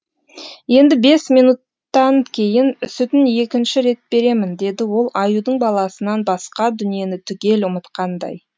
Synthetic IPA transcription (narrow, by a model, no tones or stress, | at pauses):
je̞nd̪ɪbe̞sminut̪ːɑŋkʲʰe̞jɪnsʏt̪ɪnje̞kʲɪnʃɪɾe̞t̪̚b̥e̞ɾe̞mɪnd̪e̞d̪ɪwo̞lˠʔɑjud̪əɴbɑlˠɑsənɑnbɑsqɑd̪ʏnije̞nɪt̪ʰʏɡʲe̞lʊmət̪qɑnd̪ɑ̰j